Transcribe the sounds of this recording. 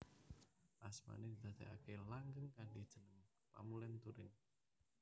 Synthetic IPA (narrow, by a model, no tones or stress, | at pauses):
ʔasma̰ned̪id̪̥ä̤t̪ɛkakelaŋɡəŋkaɳɖid̥ʒ̥ə̤nəm | pa̰mulɪnt̪uɾɪn